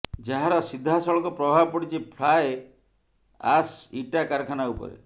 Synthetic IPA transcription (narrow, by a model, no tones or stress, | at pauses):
d͡ʒaɦaɾɔsid̪ʱːasɔɭɔŋkɔpɾɔbʱabɔpɔɽit͡ʃʰipʰlaj | asiʈakaɾkʰanaupɔ̰ɾḛ